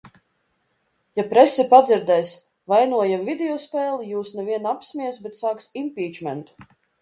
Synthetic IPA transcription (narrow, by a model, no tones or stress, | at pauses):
japɾɛsɛpad̪ziɾd̪ɛjs | vajnuɔjamvid̪eɔspʲɛːlˠijuːsnɛvʲiɛnapsmiɛs̬bɛt̪saːksimpʲiːd͡ʒmɛnt̪